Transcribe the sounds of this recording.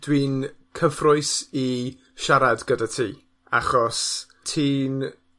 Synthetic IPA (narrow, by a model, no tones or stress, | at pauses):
d̥wiːnkʰəfrʊɨsi | ʃaɾadɡədatʰḭː | a̰χɔs | tʰiːn